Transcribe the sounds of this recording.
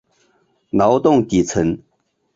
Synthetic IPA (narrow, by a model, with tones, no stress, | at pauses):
nɑ˨˦ʊt̪ʊ˥˨ŋt̪i˨˩t͡sʰə˧˦n